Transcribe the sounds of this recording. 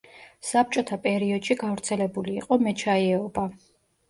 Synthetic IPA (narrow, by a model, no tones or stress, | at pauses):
sap̚t͡ʃʼɔt̪ʰapʼɛɾiɔd̪̥ʃiɡavɾt̪sʰɛlɛbulḭːqʼɔmɛt͡ʃʰaiɛɔba